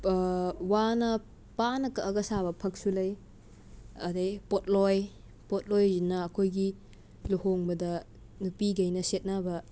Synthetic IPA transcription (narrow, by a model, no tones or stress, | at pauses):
wanɐ | panɐkɐːɡɐsabɐpʰɐk̚sulɐj | ɐ̰dejpot̚lɔj | pot̚lɔjzinɐːkʰojɡi | luhoŋbɐdɐ | nupiɡɐjnɐset̚nabɐ